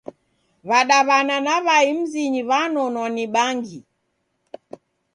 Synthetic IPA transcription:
βaɗaβananaβaim̩ziɲiβanɔnwaniɓaŋɡi

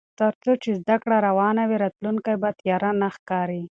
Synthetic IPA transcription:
t̪aɾt͡sot͡ʃezd̪akɽaɾawɑnawiɾɑt̪luŋkajbat̪jɑɾanaxkɑɾi

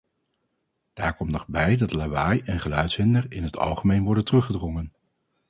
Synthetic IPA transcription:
d̥aːɹkɔmtnɔχbɛjdɑtlaʋajɛnχəlœɥtsɦɪndəɹɪnɦətʰɑ̰lˠχəmejnʋɔɹdəntərɵχədrɔŋən

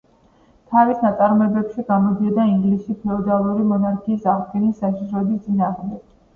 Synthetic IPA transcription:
t̪ʰavisnat̪sʼaɾmɔɛbɛpʃiɡamɔd̪iad̪aiŋɡlisʃipʰɛɔd̪alˠuɾimɔnaɾkʰiːsaʁɡɛnisːaʃiʃɾɔɛbist̪sʼinaːʁmd̪ɛɡ̥

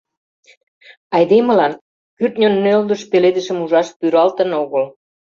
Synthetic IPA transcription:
ɑjd̪emə̆lɑn | kyrt̪̚nʲonːøld̪əʃpeled̪ə̆ʃə̆muʒɑʃpyɾɑlt̪ə̆noɣəl

